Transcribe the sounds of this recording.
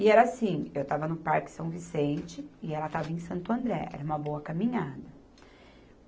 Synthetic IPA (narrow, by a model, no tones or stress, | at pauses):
ɪɛɾɐasĩewt̪avɐnʊpaɾkɪ̥sɐ̃w̃visẽnt͡ʃɪɪɛlɐt̪avɐẽj̃sɐ̃nt̪ʊɐ̃nd̪ɾɛ̰ɛ̰ɾɐũmɐbowɐkamĩɲad̪ɐ